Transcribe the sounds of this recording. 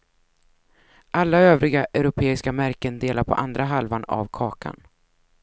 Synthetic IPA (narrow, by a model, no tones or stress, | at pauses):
ʔalːaøːvɾɪɡaʔœɾʊpʰeːɪskamæɾkənd̪eːlaɾpʰɔ̰ʔand̪ɾaɦalvana̰vkʰɑːkʰa̰n